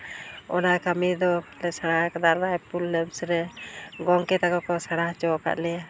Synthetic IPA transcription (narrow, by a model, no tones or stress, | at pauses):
ɔ̰nakamid̪ɔlɛsaɽakad̪anajpulːɛbsɾɛɡɔŋkɛt̪akɔkɔsaɽaht͡ʃɔka̰ʔ̪lɛja